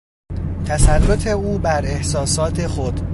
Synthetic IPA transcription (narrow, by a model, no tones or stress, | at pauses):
t̪ʰæsærːot̪ʰe̞uːbæɾe̞hsɒːsɒːt̪ʰe̞xod̪̥